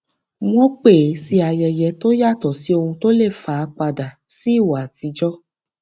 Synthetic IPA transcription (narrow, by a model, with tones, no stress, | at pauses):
w̃ɔ̃˦k͡pe˦˨˦si˧a˧jɛ˨jɛ˨˧˦to˦ja˦˨tɔ˨si˨˦o˧hũ˧to˦le˦˨fa˨˧k͡pa˧da˨si˦˨wa˨ti˨˧˦d͡ʒɔ˦